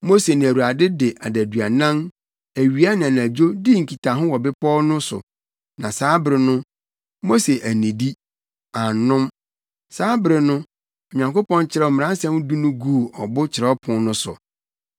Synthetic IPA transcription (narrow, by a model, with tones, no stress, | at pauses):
mo˦se˨nɪ̃˨æ˨wu˨ɾa˨dɪ˦dɪ˨ʔa˨dæ˨dɥa˨nã˦n | æ˨ɥi˨a˦nã˨n˨æ˨d͡ʑo˦di˦ŋ̩˨kʰi˨tʰa˨ɦʊ̃˦wɔ˨bɪ˦pʰɔː˦nʊ̃˦sʊ̰˨ | nã˨saː˨˦bɾɪ˨nʊ̃˦ | mo˦se˨ʔæ˨nĩ˨di˦ | a˨nʊ̃˦m | saː˦bɪ˨ɾɪ˨nʊ̃˦ | ɔ˨ɲã˨ŋko˦pɔ̃˦nt͡ɕʰɪ˦ɾɛ˦ɔ˨mɪ̃˨ɾã˦n˦sɛ̃˦m˦du˦nʊ̃˦ɡu˦˨ɔ˨bʊ˦t͡ɕʰɪ˨ɾɛ˨˦ɔ˦pʰʊ̃˨nʊ̃˦sʊ̰˨